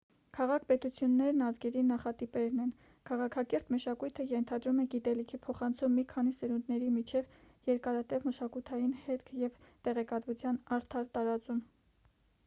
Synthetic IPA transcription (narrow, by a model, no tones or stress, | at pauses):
kʰɑʁɑkʰpɛt̪ut͡sʰjunːɛɾnɑzɡɛɾinɑχɑt̪ipɛɾnɛn | kʰɑʁɑkʰɑkɛɾt̪məʃɑkujt̪ʰəjɛnt̪ʰɑd̪ɾumɛɡit̪ɛlikʰipʰɔχɑnt͡sʰumːikʰɑnisəɾund̪nɛɾimit͡ʃʰɛv | jɛɾkɑɾɑt̪ɛvməʃɑkut̪ʰɑjinhɛt̪kʰjɛvt̪ɛʁɛkɑt̪vut͡sʰjɑnɑɾt̪ʰɑɾt̪ɑɾɑt͡sum